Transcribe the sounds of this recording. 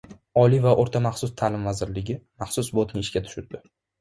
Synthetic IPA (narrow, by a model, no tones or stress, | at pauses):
ɒlivaʔoɾt̪ʰamaχsʊst̪ʰalɪmvazɪɾlɪɡʲɪmaχsʊsbot̪nɪɪʃkʲat̪ʰʊ̥ʃʊɾd̪ɪ